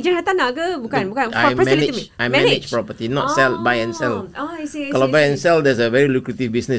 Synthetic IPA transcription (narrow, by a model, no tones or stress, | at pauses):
d͡ʒə̃nhat̪anaɡəbukãnbukãnaəmɛimiajmɛnnɪd͡ʒpɹɔpət̪inɔtsɛlbajɛ̃nsɛlɔsikɔlabajɛ̃nsɛldɛsəvɛɹilukɹət̪ivbisnəs